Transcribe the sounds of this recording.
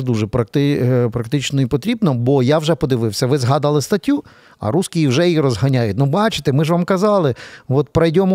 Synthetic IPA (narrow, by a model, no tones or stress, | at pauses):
d̪uʒɛpɾɐkt̪ɪpɾɐkt̪ɪt͡ʃnɔipɔt̪ɾʲibnɔbɔjawʒɛpɔd̪ɪʋɪwsʲɐʋɪzɦɑd̪ɐlˠɪst̪ɐtʲːu | ɐ̰ɾuskʲijiwʒɛjiɾɔzɦɐnʲajʊt̚ʲnʊbɑt͡ʃɪ̥t̪ɛmɪʒʋamkɐzɑlˠɪʋɔt̪̚pɾɐjdʲɔmʊ